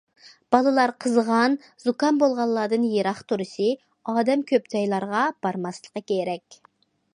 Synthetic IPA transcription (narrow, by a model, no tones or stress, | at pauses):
b̥ɑlˠɨlˠɑɾqʰəzʁɑn | zukɑnbolˠʁɑlˠlːɑːd̪ɨnjeɾɑχt̪ʰuɾɨsɨ | ɑːd̪ɛmkʲʰøp̚d͡ʒɑjlˠɑɾʁɑb̥ɑɾmɑslˠəqːɑkʲʰeɾɛkʲ